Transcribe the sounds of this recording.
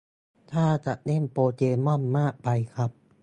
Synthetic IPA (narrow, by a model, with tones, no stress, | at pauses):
t̪ʰaː˥˩t͡ɕa˨˩ʔne˥˩npoː˧t͡ɕeː˧mɔ˥˩mːaː˥˩k̚pa˧jkʰa˦˥p̚